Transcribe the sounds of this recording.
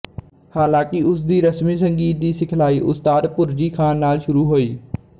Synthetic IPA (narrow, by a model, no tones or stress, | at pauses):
haːlãːkɪʊsd̪iːɾəsmiːsəŋɡiːt̪̚d̪iːsɪkʰlaːiːʔʊst̪aːd̪pʊɾd͡ʒiːkʰaːnːaːlʃʊɾuːɦoːiː